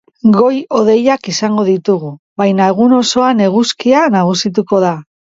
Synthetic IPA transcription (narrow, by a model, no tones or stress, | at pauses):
ɡo̞jo̞ð̞e̞jakisaŋɡo̞ðit̪uɣu | βajnaeɣ̞uno̞so̞ane̞ɣ̞uskianaɣ̞usit̪̬uko̞ða